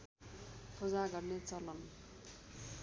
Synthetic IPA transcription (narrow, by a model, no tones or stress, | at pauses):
pʰod͡zaɡʌrnet͡sʌlʌn